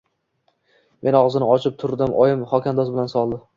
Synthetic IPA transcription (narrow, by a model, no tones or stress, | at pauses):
mʔe̞nɒʁzɪnɪɒt͡ʃʰɪp̚t̪ʰʊɾd̪ɪmʔɒjɪmχɒkʲand̪ɒsbɪlansɒlˠd̪ɪ